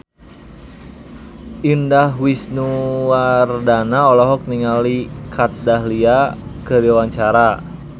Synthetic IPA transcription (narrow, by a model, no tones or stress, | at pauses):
ʔindahwisnuwardanaɔlɔɦɔk̚niŋalikʰat̪̚daɦliakəɾiwaɲt͡ʃaɾa